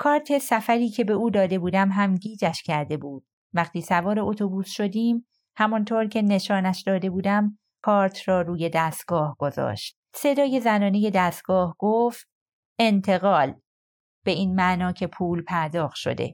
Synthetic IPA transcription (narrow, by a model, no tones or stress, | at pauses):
kʰɒːɾt̪ʰe̞sæfæɾiːcʰe̞be̞uːd̪ɒːd̪e̞buːd̪æmɦæmɟiːd͡ʒæʃcʰæɾd̪e̞buːd̪̥̚ | væχt̪iːsævɒːɾe̞ʔot̪ʰobuːsʃo̞d̪iːm | hæmɔnt̪ʰoːɾcʰe̞ne̞ʃɒːnæʃd̪ɒːd̪e̞buːd̪æm | kʰɒːɾt̪ʰrɒːɾuːje̞d̪æːst̪̚ɡ̥ɒːhɡ̥o̞zɒ̰ːʃt̪̚se̞d̪ɒːje̞zænɒːne̞je̞d̪æːst̪̚ɡ̥ɒːhɡ̥oft̪̚ | e̞nt̪ʰe̞ɣɒːl | b̥e̞iːnmæʔnɒːcʰe̞pʰuːlpʰæɾd̪ɒːxʃo̞̰d̪e̞̰